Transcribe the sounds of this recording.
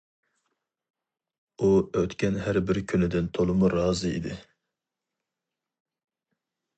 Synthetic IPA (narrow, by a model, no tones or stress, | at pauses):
uøt̪kʲʰɛnɦæɾbɪɾkʲʰynɪd̪ɪnt̪ʰolˠɨmuɾɑːzɨḭd̪ɪ